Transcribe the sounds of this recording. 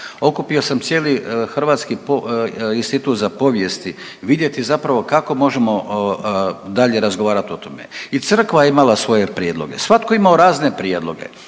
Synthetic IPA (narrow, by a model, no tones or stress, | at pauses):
o̞kupio̞samt̪sje̞ːlixr̩ʋaːt̪skipoinst̪it̪uːt̪zapo̞ʋje̞st̪i | ʋid̪je̞t̪izapɾaʋo̞kako̞mo̞ʒe̞mo̞ | d̪aʎe̞ɾazɡoʋaːɾat̪o̞t̪o̞me̞̰it̪sr̩kʋajeimalasʋo̞je̞pɾjed̪lˠo̞̰ɡe̞̰sʋat̪koimaoɾaːzne̞pɾjed̪lˠo̞ɡe̞̰